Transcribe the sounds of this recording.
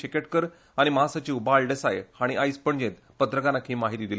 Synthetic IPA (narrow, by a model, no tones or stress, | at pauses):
ikeʈkəɾ | aɽ̃iməɦasət͡ɕiʋbalɖesaehaɽ̃iʔaispəɳd͡ʑẽt̪ | pət̪ɾəkanakʰiːmaɦit̪iːd̪ile